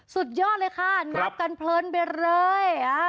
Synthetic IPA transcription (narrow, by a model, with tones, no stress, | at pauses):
su˨˩t̪̚jɔː˥˩t̪̚ləː˧jkʰa˥˩na˦˧˥p̚ka˧npʰlɤː˧˥nbe˧˩ɾɤː˧ja˧